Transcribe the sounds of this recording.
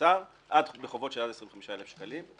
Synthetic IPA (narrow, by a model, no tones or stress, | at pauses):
aʁ | ʔadbeχovo̞tʃeladesʁimveχamiʃaelefʃkalim